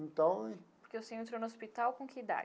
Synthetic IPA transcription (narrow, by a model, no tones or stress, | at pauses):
ẽnt̪ɐ̃w̃ɛpoɾkeewseẽnt̪ɾonʊospit̪awkõked̪a̰